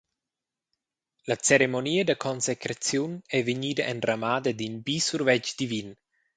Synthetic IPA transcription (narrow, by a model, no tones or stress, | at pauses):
lat͡seɾemoniːəd̪əkʰɔnsekɾat͡sjunɛveɲiːd̪aʔɛnrʔamaːd̪əd̪inbisurvɛt͡ʃd̪ivin